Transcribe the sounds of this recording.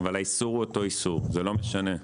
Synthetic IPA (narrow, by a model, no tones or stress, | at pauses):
valaisuʁuoto̞isuʁzelo̞meʃane̞